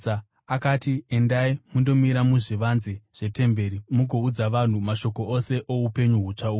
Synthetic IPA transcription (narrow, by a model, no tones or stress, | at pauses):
a | akaːtie̞ndaimundo̞miɾamuʐiʋanzeʐ̥e̞te̞mbe̞ːɾimuɡʱoud͡zaʋan̤umaʃo̞ko̞ʔose̞ʔo̞upe̞ɲuɦut͡ʂauː